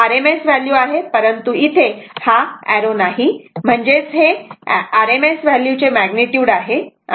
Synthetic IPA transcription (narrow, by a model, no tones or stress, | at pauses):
aɾemesʋæljuaɦepəɾənt̪uit̪ʰehaæɾonaɦim̤əɳd͡zet͡sɦeaɾemesʋæljut͡ɕemæɡniʈjuːɽaɦe